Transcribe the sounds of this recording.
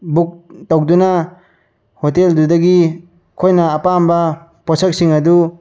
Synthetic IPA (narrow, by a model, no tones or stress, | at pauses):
buk̚tɐwdunɐ | hoteldudɐɡi | kʰojnɐːpambɐ | pɔsɐk̚siŋɐdu